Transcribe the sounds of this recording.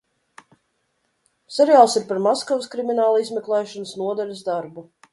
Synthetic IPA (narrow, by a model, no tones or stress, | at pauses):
sʲɛɾijaːlˠsiɾpaɾmɔskɔvskɾiminaːlˠizmɛklˠɛjʃɔnəsnuɔd̪ɛlʲəsd̪aɾbu